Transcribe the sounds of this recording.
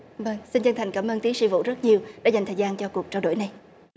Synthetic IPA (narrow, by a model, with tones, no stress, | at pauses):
və˧ŋsi˧nt͡ɕə˧nt̪ʰa˨˩jŋ̟kaː˧˩mʔəː˧nt̪i˨˦sɨ̰˧vṵ˧˨zt̚ɲi˨˩əwɗa̰˧˥a˨˩jŋt̪ʰəː˨˩zaː˧nt͡ɕɔ˧ku˨˩ək̚t͡ɕaː˧wɗo̰˧˩˨jna˨˩j